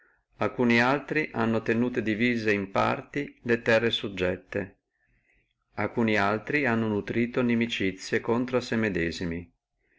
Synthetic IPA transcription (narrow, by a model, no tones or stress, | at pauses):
alkuːnialt̪ɾiʔanːot̪enuːt̪ed̪iviːzeimpa̰rt̪ilet̪ɛrːesud͡ʒːɛt̪ːe | alkuːnialt̪ɾianːonut̪ɾiːt̪onimit͡ʃit̪sːjekont̪ɾasemed̪ɛːzimi